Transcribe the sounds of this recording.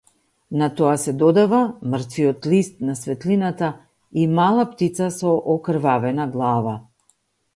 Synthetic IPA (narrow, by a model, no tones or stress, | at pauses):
nat̪ɔasɛd̪ɔd̪avamr̩t̪viɔt̪list̪nasvɛt̪linat̪a | imalˠapt̪it̪sasɔʔɔkɾ̩vavɛnaɡlˠava